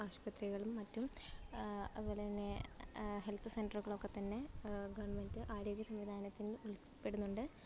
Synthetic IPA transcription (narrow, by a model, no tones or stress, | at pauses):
aːɕpɐt̪riɣɐɭumːɐtːum | ɐðubo̞ːɭet̪ɐnːe̞ɦelt̪ʰɨsenɖɐrɣɐɭokːe̞t̪ɐnːe̞ɡɐʋɐɳmendɨʔaːɾo̞ːɡjɐsɐmʋid̪ʱaːnɐt̪ːinuɭit͡ɕːi̥pːe̞ɽunːuɳɖɨ